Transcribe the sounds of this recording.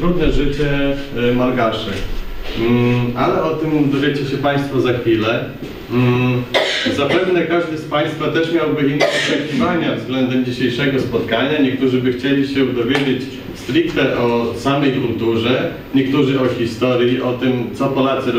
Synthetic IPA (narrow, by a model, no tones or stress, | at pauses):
t̪ɾud̪nɛʐɘt͡ɕɛ | malɡaʂɛ | alɛɔt̪ɘmd̪ɔvʲjet͡ɕɛɕɛpaj̃st̪fɔzaxfʲilɛ | zapɛvnɛkaʐd̪ɘspaj̃st̪fat̪ɛʂmʲjawbɘinɔt͡ʂɛkʲivaɲavzɡlɛnd̪ɛmd͡ʑiɕejʂɛɡɔspɔt̪kaɲaɲɛk̚t̪uʐɘbɘxt͡ɕelʲiɕɛud̪ɔvʲjed͡ʑet͡ɕ | st̪ɾʲikt̪ɛʔɔsamɛjkɾult̪uʐɛ | ɲɛkt̪uʐɘɔxʲist̪ɔɾʲjiʔɔt̪ɘmt̪sɔpɔlat̪sɨɾ